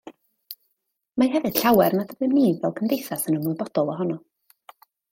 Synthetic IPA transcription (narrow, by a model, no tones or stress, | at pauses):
maɦɛvɨd̥ɬawɛrnadəvɨnivɛlˠkʰəmdejθasənəmʊɨbɔd̥ɔlˠɔɦɔnɔ